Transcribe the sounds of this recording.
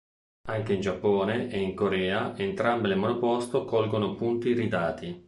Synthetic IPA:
aŋk̟eind͡ʒapːoːneʔeiŋkoɾɛːaʔent̪ɾambelemonopɔst̪okɔlɡonopunt̪iɾid̪aːt̪i

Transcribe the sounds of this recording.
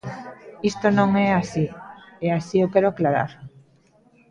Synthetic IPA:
ist̪onõŋɛasieasiokɛɾoaklaɾa̰ɾ

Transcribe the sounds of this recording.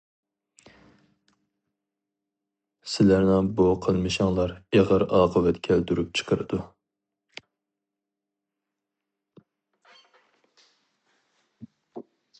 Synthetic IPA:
sɪlæɾnɪŋbuqʰəlˠmɨʃɑŋlˠɑɾeʁəɾɑːqʰəvɛt̪kʲʰɛld̪yɾyp̚t͡ʃʰə̥qʰəɾɨd̪u

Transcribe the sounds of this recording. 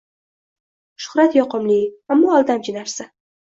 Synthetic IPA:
ʃʊ̥hɾat̪jɒqɨmliamːɒːlˠd̪amt͡ʃʰɪnaɾsa

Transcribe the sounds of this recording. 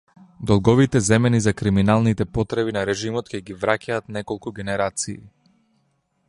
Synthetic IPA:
d̪ɔlˠɡɔvit̪ɛzɛmɛnizakɾiminalˠnit̪ɛpɔt̪ɾɛβinaɾɛʒimɔt̪kɛɡivɾacaːt̪nɛkɔlˠkuɡʲɛnɛɾat̪siː

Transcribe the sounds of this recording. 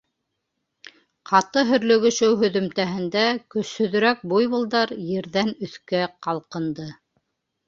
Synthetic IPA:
qʰɑt̪ɤɦɵ̆ɾlɵ̆ɡɵ̆ʃɵwɦɵ̆ðɵ̆mt̪æɦɘ̆nd̪ækɵ̆shɵ̆ðɵ̆ɾæk̚bujβŭlˠd̪ɑɾjɘ̆ɾðænɵ̆θkæqɑlˠqɤ̆nd̪ɤ

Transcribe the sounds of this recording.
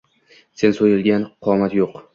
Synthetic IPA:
se̞nsojɪlˠɡʲanqʰɒmat̪joq

